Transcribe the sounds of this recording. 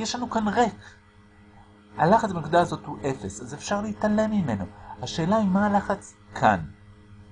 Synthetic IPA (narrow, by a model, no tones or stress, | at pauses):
jeʃlanukanʁe̞k | alaχat͡sbeikd̪aazo̞thuʔe̞fesazefʃaʁleitale̞mime̞no̞haʃe̞ːlaimalaχat͡s | kʰa̰n